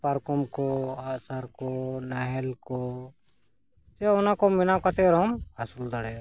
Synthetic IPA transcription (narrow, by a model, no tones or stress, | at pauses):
paɾkumkoasaɾkonɐɦɛlko | t̪eʊnakomɪnakat̪eɾomasuld̪əɽe